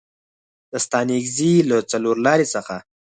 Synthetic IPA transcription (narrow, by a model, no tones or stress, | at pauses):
d̪̥əst̪ɑnikzilat͡saloɾlɑɾesəxa